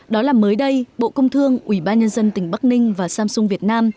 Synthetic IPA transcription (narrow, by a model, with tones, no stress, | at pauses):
ɗɔ˨˦laː˨˩məː˨˦jɗə˧jɓo̰˧˨kə˧wŋ͡mt̪ʰɨ˧əŋʔwi˧˩ɓaː˧nɲə˧nzə˧nt̪ï˨˩ŋ̟ɓa˦˥k̚nï˧ŋ̟vaː˨˩saː˧msʊ˧ŋ͡mvi˨˩ət̚naː˧m